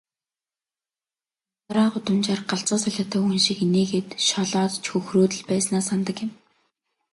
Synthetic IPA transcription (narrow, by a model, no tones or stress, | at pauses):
aɾaːɢʊt̪ə̆mt͡ɕarɢaɬt͡sɔːsaɮʲaːt̪ʰaːxunʃikineːɣeːt̪ʃɔɮɔːt̪t͡ɕxɵxroːt̪ɘ̆ɮpæːsnaːsant̪ə̆kjɪ̆m